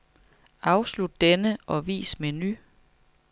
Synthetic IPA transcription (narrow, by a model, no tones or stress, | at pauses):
ʔɑ̈ʊslud̥ːenəʔɒ̽ʋḭːsmeny